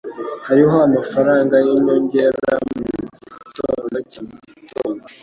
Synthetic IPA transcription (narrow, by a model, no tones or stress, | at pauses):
haɾiɦoamafaɾaːŋɡajimoɲɟeɾa̰muɟitonacimioa